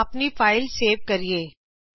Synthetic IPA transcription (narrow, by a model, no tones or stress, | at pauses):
ɐpnifaːɪlseːʋkɐɾieː